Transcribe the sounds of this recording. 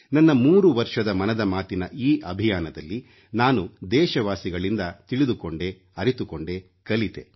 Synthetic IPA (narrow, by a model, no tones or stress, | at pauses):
nɐnːɐmuːɾuʋɐɾʂɐd̪ɐmɐnɐd̪ɐmaːt̪inɐʔiːʔɐbʱijaːnɐd̪ɐlːi | naːnud̪ɛːʃɐʋaːsiɡɐɭind̪ɐt̪iɭid̪ukoɳɖe̞ | ɐɾit̪ukoɳɖe̞ | kɐlit̪e̞̰